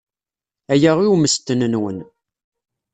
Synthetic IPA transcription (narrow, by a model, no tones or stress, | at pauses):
æjæʁiuməst̪ːənənwən